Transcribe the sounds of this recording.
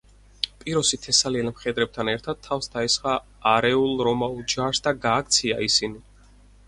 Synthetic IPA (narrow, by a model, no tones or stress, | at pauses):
pʼiɾɔsit̪ʰɛsaliɛlmχɛd̪ɾɛb̚t̪ʰanɛɾt̪ʰad̪̥̚t̪ʰːafsd̪aisχaː | ɾɛulˠɾɔmaulˠd͡ʒaɾsd̪aɡaːkʰt̪sʰia̰isini